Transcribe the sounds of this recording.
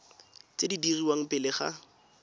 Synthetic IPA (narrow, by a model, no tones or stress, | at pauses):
t͡sedidiriwaŋ̩pʼɪlɪχa̰